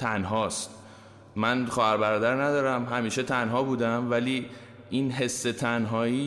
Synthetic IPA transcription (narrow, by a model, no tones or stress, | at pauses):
t̪ʰænɦɒːst̪ | mænχɒːhæɾbæɾɒːd̪æɾnæd̪ɒːɾæmɦæmiːʃet̪ʰænɦɒːbuːd̪æmvæliː | ʔiːnɦe̞sːe̞t̪ʰænɦɒːiː